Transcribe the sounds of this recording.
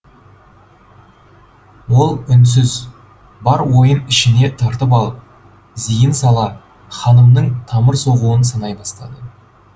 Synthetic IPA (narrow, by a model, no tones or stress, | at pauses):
wo̞lˠʏns̬ɪz | bɑɾwo̞jənɪʃɪne̞t̪ʰɑɾt̪əp̬ɑlˠəp̚ | zijɪnsɑlˠɑ | χɑnəmnəɴt̪ʰɑməɾso̞ʁuwənsɑnɑjbɑst̪ɑd̪ə